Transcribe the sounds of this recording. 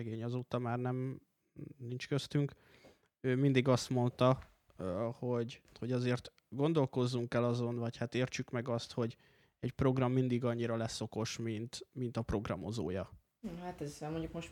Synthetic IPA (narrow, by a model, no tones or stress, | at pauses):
ɛɡeːɲɒzoːt̪ɒmaːrnɛm | nint͡ʃkø̞st̪yŋk | øːmind̪iɡɒst̪mo̞nt̪ɒ | ho̞ɟho̞ɟɒzeːrt̪ | ɡo̞nd̪o̞lko̞zːuŋkɛlɒzo̞nvɒchat̪eːrt͡ʃykmɛɡɒst̪ho̞ɟ | ɛcpro̞ɡrɒmːind̪iɡɒɲːiɾɒlɛsːo̞ko̞ʃmint̪mint̪ɒpro̞ɡrɒmo̞zo̰ːjɒ | hat̪ɛzɛmoɲɟukmoʃ